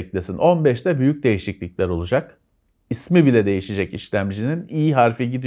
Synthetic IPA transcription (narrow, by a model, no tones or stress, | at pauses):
clʲesinʔo̞nbɛʃt̪ɛbyjyc̚d̪e̞jiʃiclʲiclʲæɾo̞lˠud͡ʒak | ismibilʲɛd̪e̞jiʃed͡ʒɛciʃlʲæmd͡ʒininijiɦaɾfiɟid̪i